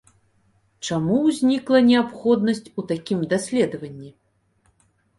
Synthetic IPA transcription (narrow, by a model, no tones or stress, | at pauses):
t͡ʂamuwzʲnʲiklˠɐnʲɛapxɔd̪nɐsʲt͡sʲut̪akʲimd̪asʲlʲɛd̪ɐvɐnʲːi